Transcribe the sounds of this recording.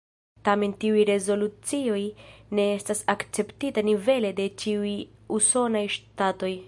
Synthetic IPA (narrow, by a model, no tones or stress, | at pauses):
tame̞ntiujɾe̞zo̞lut͡sio̞jne̞estasakt͡se̞ptitanive̞le̞de̞t͡ʃiujuso̞najʃtato̞j